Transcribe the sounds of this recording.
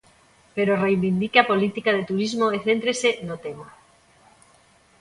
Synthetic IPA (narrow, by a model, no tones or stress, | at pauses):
peɾorejβind̪ikeapolit̪ikaðet̪uɾizmoeθent̪ɾesenot̪ema